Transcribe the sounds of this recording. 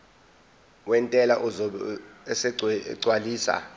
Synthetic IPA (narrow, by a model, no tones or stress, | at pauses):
wɛntʼɛlaʔuzɔɛsɛǀwaliːsa̰